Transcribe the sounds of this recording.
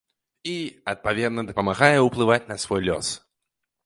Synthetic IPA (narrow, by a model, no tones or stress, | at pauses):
iɐt̪̚pɐvʲɛd̪nəd̪ɐpɐmɐɣajəʊplˠɨvat̚ʲnɐsvojlʲɔ̰s